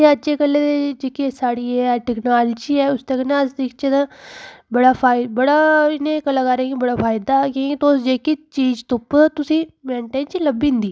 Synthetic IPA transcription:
eːətːt͡ʃʰeːkəlːeːd̪ed͡ʒeːkisaːɽiːɛʈɪɡnaːld͡ʒiːɛːʊst̪əknasd̪ɪkt͡ʃəd̪ãbəɽaːpʰaːɪbəɽaːɪnẽːkəlaːkaɾẽːɡibəɽaːpʰaːɪd̪aːkeɡit̪oːsd͡ʒeːkit͡ʃiːd͡ʒt̪ʊpt̪ʊsĩːmẽːɳʈeːnt͡ʃləbĩːnd̪iː

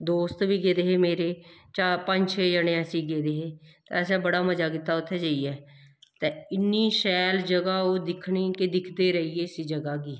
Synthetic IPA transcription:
d̪oːst̪ʋiːɡeːd̪eːɦeːmeːɾeːt͡ʃaːpəɲd͡ʒt͡ʃʰeːd͡ʒəɽ̃ẽəsĩːɡeːd̪eːɦeːt̪ẽːəs̬ɛ̃ːbəɽaːməd͡ʒaːkit̪ːaːʊt̪ʰːɛːd͡ʒəiːɛːt̪eːɪnːiːʃɛːld͡ʒəɡaːoːd̪ɪkʰɳiːked̪ɪkʰd̪eːɾəiːeːsiːd͡ʒəɡaːɡiː

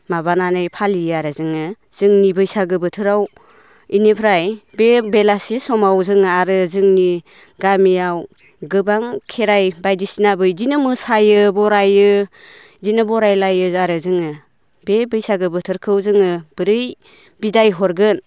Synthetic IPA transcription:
mabananɯjpʰaliaɾɯzɯŋɯ | z̥ɯŋnibɯjsaɡɯbɯtʰɯɾaw | inipʰɾajbebelasisɔmawzɯŋaɾɯzɯŋni | ɡamijaw | ɡɯbaŋkʰeɾajbajdisinabɯjzinɯmɯsajɯbɔɾajɯ | zinɯbɔɾajlajɯaɾɯzɯŋɯ | bebɯjsaɡɯbɯtʰɯɾkʰɯwzɯŋɯb̥ɯɾɯj | bidajɦɔɾɡɯn

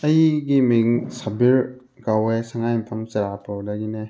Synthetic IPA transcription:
ɐjɡimiŋsabiɾ | kawesaŋajmpʰɐmsɐɾapʰɯdaɡine

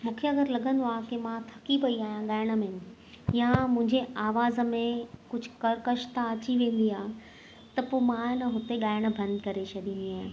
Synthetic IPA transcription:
mũːkʰeɐɡəɾlɐɠʱə̃nd̪oaːkemãt̪ʰɐ̥kipɐiaːɦijãɠaːɪɽ̃ə̆mẽn | jãmʊ̃ɦɪ̃ɲd͡ʑeaːʋaːzə̆mẽkʊd͡ʑʱʊkɐɽkɐʃt̪aɐt͡ɕiʋẽːn̆d̪iaːɦ | t̪ɐpoːmãnəɦʊt̪eɠaːɪɽ̃̆bʱɐ̃nd̪kɐɾet͡ɕʰɐɗĩːn̆d̪iaːɦɪ̃

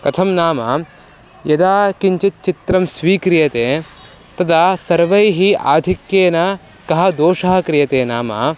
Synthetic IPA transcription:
kɐt̪ʰɐmnaːmɐ̰ | jɐd̪aːkiɲt͡ʃit̪̚t͡ʃit̪ɾɐmsʋiːkɾijɐt̪eː | t̪ɐd̪aːsɐɾʋɐjɦia̰ːd̪ʱikjeːnɐ | kɐɦɐ̆d̪oːʂɐɦɐkɾɪjɐt̪eːnaːma̰

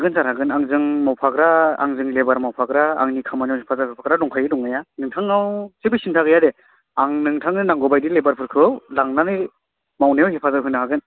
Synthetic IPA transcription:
ɡɯnzaɾhaɡɯnaŋzɯŋmawpʰakɾaa̰ŋzɯŋlebaɾmawpʰaɡɾaa̰ŋnikʰamanjawhepʰazaɯpʰaɡɾadɔŋkʰajɯdɔŋajanɯŋtʰaŋawsibɯsintʰaɡɯjade | aŋnɯŋtʰaŋnɯnaŋɡɔbajdilebaɾpʰɯɾkʰɯwlaŋnanɯ | mawnajawɦepʰazaɦɯnaɦaɡɯn

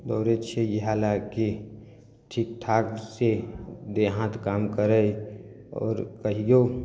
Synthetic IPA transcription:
d̪ɔːɾet͡ʃʰejeɦalaki | ʈʰik̚ʈ̪ʰaːksed̪eɦãt̪kaːmkəɾə | ɔ̰ːɾkəɦijo

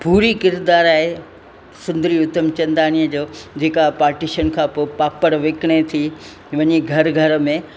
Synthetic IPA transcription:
puːɾikɪɾd̪aːɾaːɦe | sʊ̃nd̪əɾiʊt̪ːəmt͡ɕɐ̃nd̪aːñijəd͡ʑoːd͡ʑeːkapaːɾʈiʃənkʰãːpoːpaːpəɽʋeːkɪɽ̃et̪ʰi | ʋɐɲiɡʱɐɾɡʱɐɾə̆mẽ

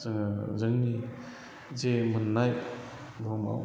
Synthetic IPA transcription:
zɯŋzɯŋni | zemɯnːaj | ɡɔma̰w

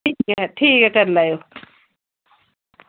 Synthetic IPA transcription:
iːkɦɛʈʰiːkɦɛkɐɾlaːjo

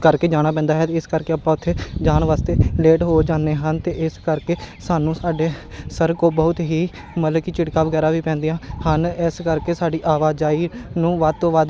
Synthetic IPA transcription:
kəɾkeːd͡ʒaːɽ̃aːp̬ɛ̃ːnd̪aːɦɛːt̪eːɪskəɾkeːəpãːʊt̪ʰːeːd͡ʒaːnʋaːst̪eːleːʈɦoːd͡ʒaːneːɦənt̪eːʔɪskəɾkeːsaːnũːsaːɖeːsəɾkoːbəʊt̪ɦiː | mət̪ləbkit͡ʃɪɽkaːʋəɡɛːɾaːʋiːpɛ̃ːnd̪ejãːhənɪskəɾkeːsaːɖiːʔaːʋaːd͡ʒaːiːnũːʋaːd̪̚t̪õːʋaːd̪

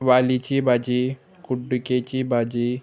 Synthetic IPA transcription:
ʋaːlit͡ʃibaːd͡ʒi | kʊɖuket͡ʃibʱaːd͡ʒi

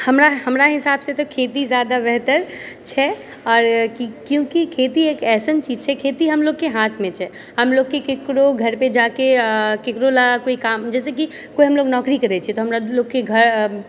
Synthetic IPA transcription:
həmɾaɦəmɾaɦɪsabsẽt̪ɔkʰet̪id͡ʒjad̪abɛɦt̪əɾt͡ʃʰɛ | ɔːɾkikjũkikʰet̪iekɛːsənt͡ʃid͡ʒt͡ʃʰɛkʰet̪iɦəmloɡːeɦãt̪ʰmẽt͡ʃʰɛ | ɦəmloɡkːekekɾoɡʱəɾpẽd͡ʒakekekɾolakoikamd͡ʒɛːseki | koiɦəmloːɡnɔkɾikəɾɛt͡ʃʰiɛt̪ɔɦəmɾaloɡkːeɡʱəɾ

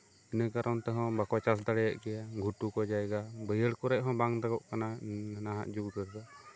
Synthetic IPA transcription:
inəkaɾʔɔnt̪ɛɦɔ̃bakɔt͡ʃas̬d̪aɽɛjaʔɡɛjaɡʱuʈukɔd͡ʒajɡabəjəɽkɔɾɛʔ̚ˀɦɔ̃baŋd̪aɡɔʔkananaɦa̰ʔd͡ʒuɡd̪əɾɡa

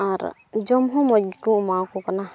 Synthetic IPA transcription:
aɾ | d͡ʒɔmɦɔ̃mɔɡkumakɔkana

